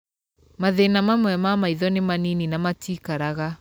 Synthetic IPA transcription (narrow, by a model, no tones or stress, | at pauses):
maðenamamwɛmamaiðɔnemanininamatiːkaɾaɣa